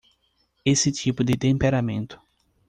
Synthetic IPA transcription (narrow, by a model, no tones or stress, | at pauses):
esɪt͡ʃipʊd̪ɪt̪ẽmpeɾamẽnt̪ʊ̥